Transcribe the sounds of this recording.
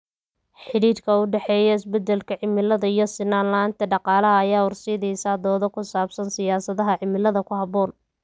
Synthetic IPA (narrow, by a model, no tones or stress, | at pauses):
ħɪɽiːɾkʰɐʊɖɛħɛːjɐɪsbɛd̪ɛlkʰɐʕɪmɪlɐðɐijɞsɪnaːnlaːnt̪ʰɐɖɑqɑːlɐɦɐːjaːʊrsɪːðɛjsaːd̪ɔːðɔkʰʊsaːbsɐnsɪjaːsɐðɐɦɐʕɪmɪlɐðɐkʰʊhɑβɔːn